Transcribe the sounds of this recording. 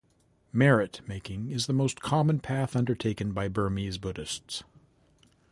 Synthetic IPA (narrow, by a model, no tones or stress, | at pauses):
mɛɹɪtmeɪkɪ̃ŋɪzðəmoʊskʰɑmə̃npʰæθʌ̃ndə˞tʰeɪkɨ̃nbaɪbɜ˞mizbʊɾɨsts